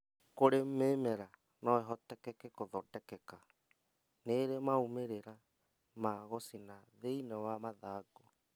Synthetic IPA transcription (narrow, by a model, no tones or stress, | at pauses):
koɾemeːmɛɾa | nɔɛɦɔtɛkɛkɛkoðɔdɛkɛka | neɾemaumeɾeɾa | maɣɔsinaðeinɛwamaðaːɡɔ